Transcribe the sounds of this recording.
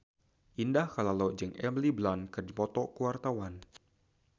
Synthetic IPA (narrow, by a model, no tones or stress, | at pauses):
ʔindahkalalod͡ʒəŋɛmliblankərd͡ʒipɔt̪ɔkuwart̪awan